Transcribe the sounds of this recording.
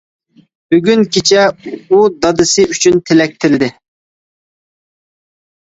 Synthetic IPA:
b̥yɡʲynkʲit͡ʃʰɛud̪ɑd̪ɨsɨyt͡ʃʰynt̪ʰɪlɛk̚ʲt̪ʰɪld̪ɪ

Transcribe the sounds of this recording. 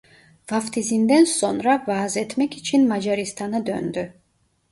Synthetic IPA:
vaft̪ʰizind̪ɛnsɔnɾavaːzɛt̪ʰmɛkʰit͡ʃʰinmad͡ʒaɾist̪ʰanɯd̪ø̰nd̪y

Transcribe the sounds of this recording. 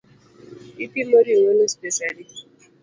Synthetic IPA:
ipimoɾiŋonospeʃali

